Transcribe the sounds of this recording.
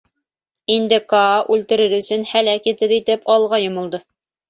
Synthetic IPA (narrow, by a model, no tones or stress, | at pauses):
ind̪ɘkɑːʔʉlt̪ɘ̆ɾɘɾɵ̆sɵnhælækit̪ɘðit̪ɘpɑlˠʁɑjŏmŏlˠd̪ɤ